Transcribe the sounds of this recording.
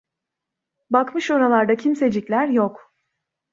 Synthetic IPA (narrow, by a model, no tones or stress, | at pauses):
bakmɯʃo̞ɾalˠaɾd̪acʰimse̞d͡ʒicʲlʲæɾjok